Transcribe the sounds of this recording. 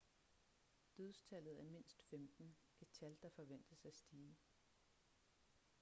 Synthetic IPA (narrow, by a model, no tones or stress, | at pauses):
d̥øðˠst͡sʰæl̰ð̞̩ˠæme̝n̰sd̥femd̥n̩ | ɡ̥et͡sʰæld̥ɑ̈fɒ̽ʋen̰d̥əsæsd̥iː